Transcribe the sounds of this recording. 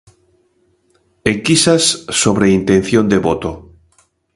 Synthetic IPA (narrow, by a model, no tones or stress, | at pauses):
eŋkisasːoβɾeint̪ẽnθjond̪eβot̪o